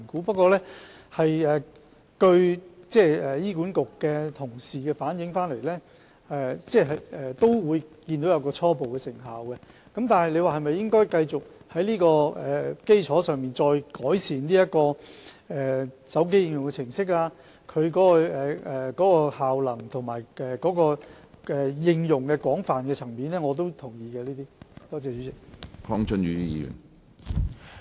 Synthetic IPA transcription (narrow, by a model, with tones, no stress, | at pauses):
kuː˨˥pɐ˥t̚kːɔː˧lɛː˥ | hɐ˨jɛː˨ | kɵ˧ɥt͡sɛː˥˩ɛː˨jiː˥ku˨˥nkʊ˨kːɛ˧t̪ʰʊ˨˩ŋsiː˨kɛː˧faː˨˥njɪ˨˥ŋfaː˥nle˨˩jlɛː˥ | ɛː˨˩t͡sɛː˥˩ɦɐ˨jɛː˨˩t̪o˥wwuː˨˧jkiː˧nt̪o˨˥wjɐ˨˧wkɔː˧t͡sʰɔː˥po˨wkɛː˧sɪ˨˩ŋɦa̰ː˨wkɛ˧ | kɐ˨˦mt̪aː˨nɦɐ˨jle˨˧jwaː˨˩ɦɐ˨jmɐ˨jːɪ˥ŋkɔː˥jkɐ˧jt͡sʊ˨k̚hɐ˨˥jliː˥kɔː˧ɛ˨ke˥jt͡ʃʰɔː˨˥sœː˨ŋmiː˨nt͡sɔː˧jkɔː˨˥jsiː˨˩nliː˥jɐ˥t̚kɔː˧ɛː˨˩sɐ˨˥wk̬e˥jɪ˧ŋjʊ˨ŋkɛ˧t͡sʰɪ˨˩ŋsɪ˥k̬̚aː˧ | kʰɵ˨˧ɥkɔː˨˦˥kɔ˧ɛː˨kɔː˨˥kɔː˧haː˨wlɐ˨˩ŋt̪ʰʊ˨˩ŋmaː˨˩jɛː˨kɔː˨˥kɔː˧ | ɛː˨jɪ˧ŋjʊ˨˩ŋkɛ˧kwɔː˨˥ŋfaː˨nkɛː˧t͡sʰɐ˨˩ŋmiː˨˥nɛː˥ŋɔː˨˧t̪̬o˥wt̪ʰʊ˨˩ŋjiː˨kɛ˧liː˥t̪iː˥t̪ɔː˥t͡sɛː˨˧t͡ʃy˨˥t͡sɪ˨k̚kʰɔ˥ŋt͡sɵ˥nɥyː˨˧t̪i˦˥jḭː˨˧jy̰˨˩n